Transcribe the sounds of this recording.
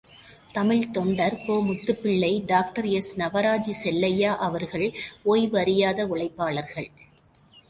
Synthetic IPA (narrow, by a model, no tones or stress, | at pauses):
t̪ɐmɪɭt̪ɔɳɖɐɾkoːmʊt̪ːɯpːɪɭːɐɪɖaːk̚ʈɐɾɛsnɐʋɐɾaːd͡ʒisɛlːɐjaːʔɐʋɐɾɣɐɭoːjʋɐɾɪjaːðɐʊɭɐɪpːaːɭɐɾɣɐɭ